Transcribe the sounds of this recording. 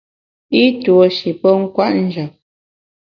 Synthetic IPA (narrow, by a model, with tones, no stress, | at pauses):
i˦to˨ʃi˨pə˦ŋ̩˦kwa˦˨ʔn̩˦d͡ʒə˨